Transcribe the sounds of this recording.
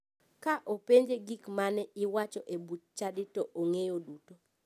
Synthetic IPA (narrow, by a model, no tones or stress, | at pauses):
kaʔopeɲd͡ʒeɡikmanɛɪwat͡ʃɔʔebut̚t͡ʃadɪtɔʔoŋejoduto